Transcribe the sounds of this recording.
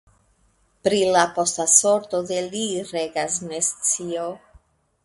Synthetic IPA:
pɾilapo̞staso̞ɾto̞deliɾeɡasnest͡sio

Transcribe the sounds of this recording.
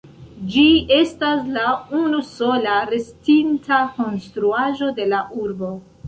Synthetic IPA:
d͡ʒie̞staslaunuso̞laɾe̞stintako̞nstɾuaʒo̞de̞laʔuɾbo̞

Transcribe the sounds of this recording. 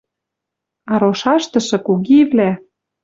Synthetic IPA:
ɑɾoʃɑʃt̪ɤ̆ʃɤ̆kuɣivlæ

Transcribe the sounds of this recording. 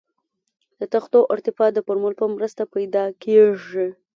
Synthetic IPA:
d̪̥ət̪axt̪oʔʊɾt̪ɪfɑd̪əpʊɾmʊlpəmɾəst̪apajd̪ɑkeʐi

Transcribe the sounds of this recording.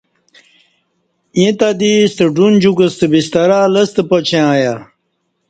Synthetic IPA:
jĩt̪ad̪ist̪əɖund͡ʑukəst̪əbist̪ɐɾaːlɐst̪əpot͡ɕʰẽãːja

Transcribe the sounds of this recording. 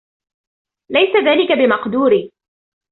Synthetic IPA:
lajsaðaːlɪkabɪmɑqd̪uːɾiː

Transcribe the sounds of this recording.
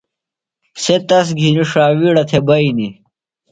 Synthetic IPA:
set̪ɐs̬ɡʱiniʂaːwiːɽɐt̪ʰebɐini

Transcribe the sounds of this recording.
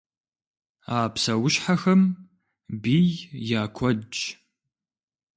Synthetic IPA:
aːpsɐwʊʃħaxɐm | biːjjaːkʷʰɔt͡ʃ

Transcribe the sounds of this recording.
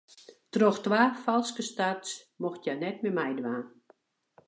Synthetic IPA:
troxtʋaːfalˠskəstats | moxtjanɛt̚mɛmɛjdʋaːn

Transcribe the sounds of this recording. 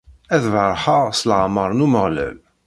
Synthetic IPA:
æðvɾˤħəʁsləʕməɾˤnuməʁlə̰v

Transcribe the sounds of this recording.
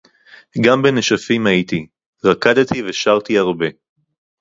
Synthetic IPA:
ɡambeneʃafimait̪i | ʁakad̪t̪ʰiveʃaʁt̪iaʁbe̞

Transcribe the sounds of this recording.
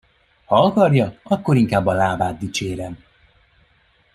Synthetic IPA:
hɒɒkɒrjɒɒkːo̞ɾiŋkaːbːɒlaːbaːd̪̚d̪it͡ʃeːɾɛm

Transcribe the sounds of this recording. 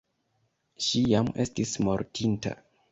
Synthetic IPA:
ʃijame̞stismoɾtinta̰

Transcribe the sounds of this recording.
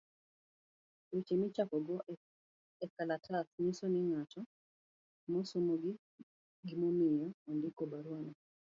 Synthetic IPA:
wet͡ʃemɪt͡ʃakɔɡɔ | ɛkalatʰasɲusonɪŋatɔ | mɔsomoɡɪ | ɡimɔmɪjaɔndɪkobaɾwanɔ

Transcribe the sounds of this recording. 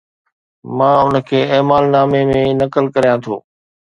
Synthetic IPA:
mãːʊnəkʰeːeːmaːlnaːmemẽnɐkəlkɐɾijãt̪ʰoː

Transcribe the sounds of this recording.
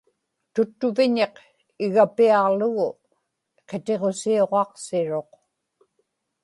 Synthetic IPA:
t̪ʊt̪ːʊvɪɲe̞q | ɪɣapiɑʁlʊɣʊ | qe̞t̪e̞ʁo̞sio̞ʁɑqsɪɻo̞q

